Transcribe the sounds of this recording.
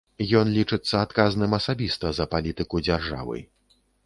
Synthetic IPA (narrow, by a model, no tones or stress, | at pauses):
jɔnlʲit͡ʂɨt̪sːɐat̪kaznɨmɐsabʲist̪ɐzɐpalʲit̪ɨkud͡zʲarʐa̰vɨ̰j